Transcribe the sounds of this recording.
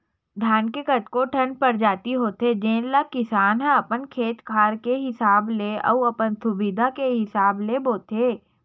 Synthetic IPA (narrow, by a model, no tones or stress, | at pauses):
ɖ̪ʱaːnkekɐt̪koʈʰə̃npəɾd͡ʒaːt̪iɦoːt̪ed͡ʒẽːnlakɪsaːnɦɛ̃ɐpənkʰeːt̪kʰaːɾkeɦɪsaːbleɔ̰wɐpənsʊbɪd̪ʱakeɦɪsaːbleboːt̪eː